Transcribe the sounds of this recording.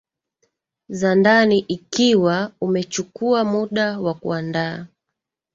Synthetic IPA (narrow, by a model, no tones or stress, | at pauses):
zandaniʔikiwaumɛt͡ʃukuamuɗawakuandaː